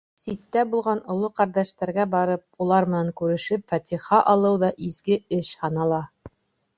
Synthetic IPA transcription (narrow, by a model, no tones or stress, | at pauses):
sit̪ːæbulˠʁɑnŏlˠɤqæɾd̪æʃt̪æɾɡæbɑɾɤp̚ulˠɑɾmɘ̆næŋkʉɾɘ̆ʃɘpfæt̪ʲiχɑʔɑlˠɤwðɑʔizɡɘɘʃhɑnɑlˠɑ